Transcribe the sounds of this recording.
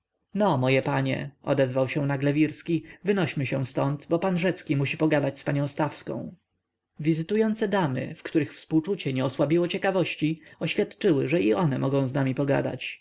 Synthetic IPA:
nɔmɔjɛpaɲɛ̰ʔɔ̰d̪ɛzvawɕɛ̃naɡlɛvʲiɾskʲivɘnɔɕmɘɕɛw̃st̪ɔnt̪bɔpanʐɛt̪skʲimuɕipɔɡad̪at͡ɕspaɲɔ̃w̃st̪afskɔ̰̃w̃ | vʲizɘt̪ujɔnt̪sɛd̪amɘ̰fkt̪uɾɘxfspuwt͡ʂut͡ɕɛɲɛɔswabʲiwɔt͡ɕɛkavɔɕt͡ɕiɔɕfʲjat̪t͡ʂɘwɘʐɛiʔɔnɛmʔɔɡɔ̃w̃znamʲipɔɡa̰d̪a̰t͡ɕ

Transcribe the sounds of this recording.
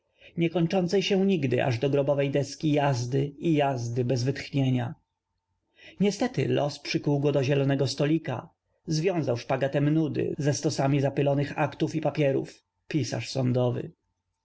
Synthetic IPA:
ɲɛkɔɲt͡ʂɔnt̪sɛjɕɛ̃ɲiɡd̪ɘ̰ʔa̰ʐd̪ɔɡɾɔbɔvɛjd̪ɛskʲijazd̪ɘijazd̪ɘbɛzvɘt̪xɲeɲa̰ | ɲɛst̪ɛt̪ɘ̰lʔɔspʂɘkuwɡɔd̪ɔʑɛlɔnɛɡɔst̪ɔlʲika̰ | zvʲjɔ̃w̃zawʂpaɡat̪ɛmnud̪ɘ̰zɛst̪ɔsamʲizapɘlɔnɘxakt̪ufipapʲjɛɾṵf | pʲisa̰ʂsɔnd̪ɔvɘ̰

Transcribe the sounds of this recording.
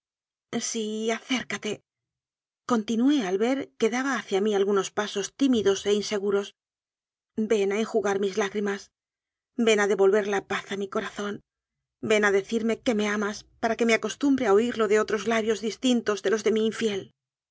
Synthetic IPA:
siaθe̞ɾkat̪e̞ | ko̞nt̪inue̞alβe̞ɾke̞ðaβaːθjamialɣuno̞spaso̞st̪imiðo̞se̞inse̞ɣ̞uɾo̞s | be̞naeŋxuɣaɾmizlaɣɾimas | be̞naðe̞βo̞lβe̞ɾlapaθamiko̞ɾaθo̞n | be̞naðe̞θiɾme̞ke̞me̞amaspaɾake̞meako̞st̪umbɾe̞ao̞iɾlo̞ðe̞o̞t̪ɾo̞zlaβjo̞zðist̪int̪o̞zðe̞lo̞zðe̞miːɱfje̞l

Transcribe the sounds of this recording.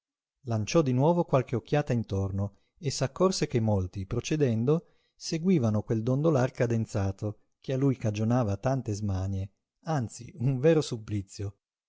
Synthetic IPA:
lant͡ʃɔd̪inwɔːvokwalkeokʰːjaːt̪aint̪orno | esːakːorsek̟emːolt̪ipɾot͡ʃed̪ɛnd̪o | seɡwiːvanokweld̪ond̪olarkad̪ent̪saːt̪o | kʰealːujkad͡ʒonaːvat̪ant̪ezmaɲe | ant̪sḭuɱvɛːɾosupːlit̪sːjo

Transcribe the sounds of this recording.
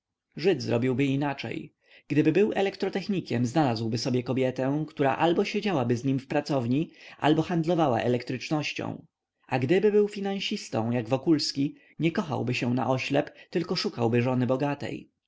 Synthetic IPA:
ʐɘd̪zɾɔbʲiwbɘinat͡ʂɛ̰j | ɡ̥d̪ɘbɘbɘwʔɛlɛkt̪ɾɔt̪ɛxɲikʲɛmznalazwbɘsɔbʲjɛkɔbʲjɛt̪ɛ̃wkt̪uɾa̰ʔalbɔɕed͡ʑawabɘzɲimfpɾat̪sɔvɲiʔa̰lbɔxand̪lɔvawa̰ʔɛ̰lɛkt̪ɾɘt͡ʂnɔɕt͡ɕɔ̰̃w̃ | ʔaɡd̪ɘbɘbɘwfʲinãw̃ɕist̪ɔ̰̃w̃jaɡvɔkulskʲi | ɲɛkɔxa̰wbɘɕɛna̰ʔɔɕlɛpt̪ɘlkɔʂukawbɘʐɔnɘbɔɡat̪ɛ̰j

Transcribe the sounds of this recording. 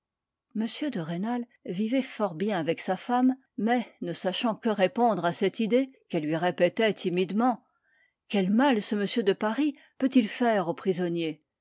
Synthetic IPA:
məsjød̪əʁenal | vivɛfɔʁbjɛ̃avɛksafamː | ɛnəsaʃɑ̃kəʁepɔ̃d̪ʁasɛt̪id̪ekɛlːɥiʁepɛt̪ɛt̪ʰimid̪mɑ̃ | kʲɛlmalsəməsjød̪əpaʁi | pøt̪ilfɛʁopχizɔnje

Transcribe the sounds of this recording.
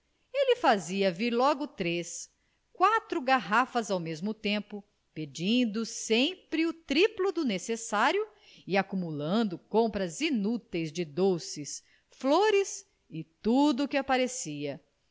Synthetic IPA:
elɪfaziɐviɾlɔɡʊt̪ɾes | kwat̪ɾʊɡaɦafɐzawmezmʊt̪ẽmpʊ | ped͡ʒĩd̪ʊsẽpɾɪʊt̪ɾiplʊd̪ʊnesesaɾjʊ | ɪakumulɐ̃nd̪ʊkõpɾɐzinut̪ejzd͡ʒɪd̪osɪs | floɾɪs | ɪt̪ud̪ʊkɪapaɾesiɐ

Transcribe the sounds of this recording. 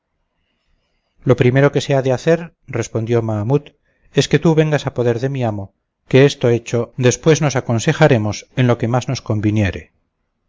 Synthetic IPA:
lo̞pɾime̞ɾo̞ke̞seaðeaθe̞ɾ | re̞spo̞nd̪jo̞mamut̪ | e̞ske̞t̪uβe̞ŋɡasapo̞ðe̞ɾðe̞miamo̞ | keest̪o̞e̞t͡ʃo̞d̪e̞spwe̞zno̞sako̞nse̞xaɾe̞mo̞se̞nlo̞ke̞mazno̞sko̞mbinje̞ɾe̞

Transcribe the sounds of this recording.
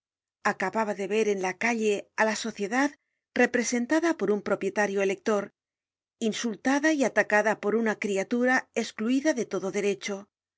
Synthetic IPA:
akaβaβaðe̞βe̞ɾe̞nlakaʎe̞alaso̞θje̞ðað | re̞pɾe̞se̞nt̪aðapo̞ɾumpɾo̞pje̞t̪aɾjo̞ele̞k̚t̪o̞ɾ | insult̪aðaiat̪akaðapo̞ɾunakɾiat̪uɾae̞skluiðaðe̞t̪o̞ðo̞ðe̞ɾe̞t͡ʃo̞

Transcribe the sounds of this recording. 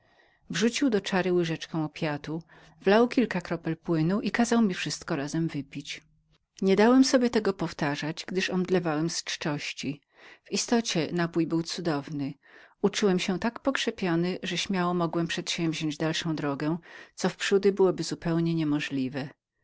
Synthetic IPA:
vʐut͡ɕiwd̪ɔt͡ʂaɾɘwɘʐɛt͡ʂkɔ̃w̃ɔpʲjat̪u | vlawkʲilkakɾɔpɛlpwɘnuʔikazawmʲifʂɘst̪kɔɾazɛmvɘpʲit͡ɕ | ɲɛd̪awɛmsɔbʲjɛt̪ɛɡɔpɔft̪aʐad͡ʑɡd̪ɘʂɔmd̪lɛvawɛmst͡ʂt͡ʂɔɕt͡ɕi | vist̪ɔt͡ɕɛnapujbɘwt̪sud̪ɔvnɘ | ut͡ʂuwɛmɕɛt̪akpɔkʂɛpʲjɔnɘʐɛɕmʲjawɔmɔɡwɛmpʂɛt̪ɕɛ̃w̃vʑɔ̃ɲd͡ʑd̪alʂɔ̃w̃d̪ɾɔɡɛt̪sɔfpʂud̪ɘbɘwɔbɘzupɛwɲɛɲɛmɔʐlʲivɛ

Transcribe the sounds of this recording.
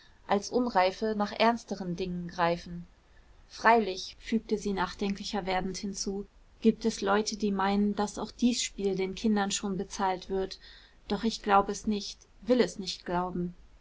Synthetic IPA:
ʔalsʔʊnʁaɪfənaːχʔɛ̰ɐnstəʁəndɪŋənɡʁaɪfn̩ | fʁ̥aɪlɪçfyːk̚təziːnaːχd̥ɛŋkʰlɪçɐveːɐdn̩thɪnt͡suː | ɡ̥iːp̚tɛslɔʏtʰədiːmaɪnənd̥asaʊxd̥iːsʃpiːldeːnkʰɪndɐnʃoːnbət͡saːltv̥ɪɐt | d̥ɔχɪçɡ̥laʊbəɛsnɪçt | vɪlɛsnɪçtɡ̥laʊbm̩

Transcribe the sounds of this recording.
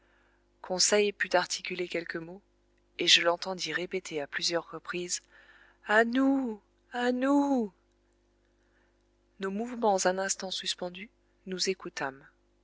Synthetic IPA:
kʰɔ̃sɛjpyt̪aʁt̪ʰikʲylekʲɛlkəmo | eʒəlɑ̃t̪ɑ̃d̪iʁepet̪ʰeaplyzjœʁːəpχiz | anu | anu | nomuvmɑ̃zɛ̃nɛ̃st̪ɑ̃syspɑ̃d̪y | nuzekut̪am

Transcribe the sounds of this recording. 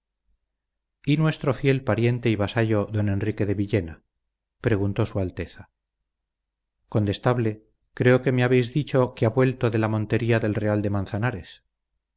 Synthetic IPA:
inwe̞st̪ɾo̞fje̞lpaɾje̞nt̪e̞iβasaʝo̞ðo̞ne̞nrike̞ðe̞βiʎe̞na | pɾe̞ɣunt̪o̞sualt̪e̞θa | kont̪e̞st̪aβle̞ | kɾe̞o̞ke̞meaβe̞jzðit͡ʃo̞keaβwe̞lt̪o̞ðe̞lamõ̞nt̪e̞ɾiaðe̞lre̞ald̪e̞manθanaɾe̞s

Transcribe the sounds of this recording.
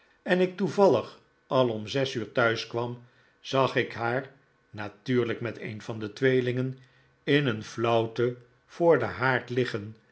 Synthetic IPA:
ɛnɪk̚tuvɑlˠəχ | ɑlˠɔmzɛsyːɹtœɥskʋɑm | z̥ɑχɪkɦaːɹ | natyːɹləkmɛtḛjnvɑndətʋejlɪŋən | ɪnənflɔwtə | v̥ʊːɹdəɦaːɹtlɪχən

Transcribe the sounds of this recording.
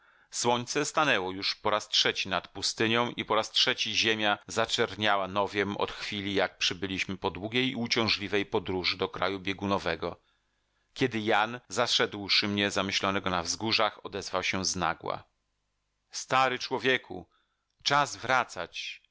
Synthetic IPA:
swɔɲt̪sɛst̪anɛwɔjuʂpɔɾastʂɛt͡ɕinat̪pust̪ɘɲɔ̃w̃ʔipɔɾastʂɛt͡ɕiʑemʲjazat͡ʂɛɾɲawanɔvʲjɛmʔɔ̰t̪xfʲilʲijak̚pʂɘbɘlʲiɕmɘpɔd̪wuɡʲejut͡ɕɔ̃w̃ʐlʲivɛjpɔd̪ɾuʐɘd̪ɔkɾa̰jubʲjeɡunɔvɛɡɔ | kʲɛd̪ɘjanzaʂɛd̪wʂɘmɲɛzamɘɕlɔnɛɡɔnavzɡuʐaxɔd̪ɛzvawɕɛzna̰ɡwa̰ | st̪aɾɘt͡ʂwɔvʲjekʰṵ | t͡ʂazvɾat̪sat͡ɕ

